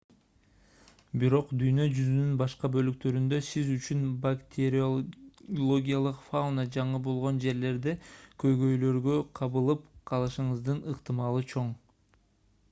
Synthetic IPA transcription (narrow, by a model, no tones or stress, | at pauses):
biɾo̞qd̪yjnø̞d͡ʒyzynynbɑʃqɑbø̞lyk̚t̪ø̞ɾynd̪ø̞sizyt͡ʃynbakt̪ʲʰeɾ | olˠoɡʲijalˠɯqfaunad͡ʒɑɴɯbo̞lˠʁo̞nd͡ʒe̞ɾle̞ɾd̪ekʰø̞jɡø̞jlø̞ɾɡø̞qʰɑβɯlˠɯpqʰɑlˠɯʃɯɴɯzd̪ɯnɯqt̪ɨmɑlˠɯt͡ʃʰo̞ɴ